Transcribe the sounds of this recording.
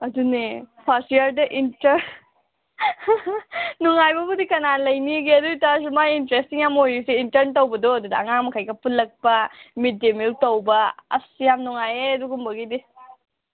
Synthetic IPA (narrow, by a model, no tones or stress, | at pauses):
ɐdunepʰɐstiɐɾdɐʔintɐɾn | nuŋajbɐbudikɐnalɐjniɡiɐduitas̬umajintɾestiŋjamojuseintɐɾntɐwbɐdoɐdudɐɐŋaŋmɐkʰajɡɐpulːɐk̚pɐmidemiltowbɐɐ̰sijamnuŋajeɐduɡumbɐɡidi